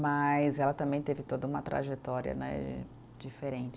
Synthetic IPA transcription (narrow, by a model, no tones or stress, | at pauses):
mɐjzɛlɐt̪ɐ̃mbẽj̃t̪evɪt̪od̪ɐũmɐt̪ɾa̰ʒet̪ɔɾiɐ̰nɛ̰̃ | d͡ʒifeɾẽnt͡ʃ